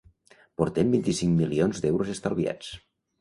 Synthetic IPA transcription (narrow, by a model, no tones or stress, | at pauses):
poɾt̪embint̪isiŋmilionzd̪ɛwɾozest̪alˠβia̰t͡s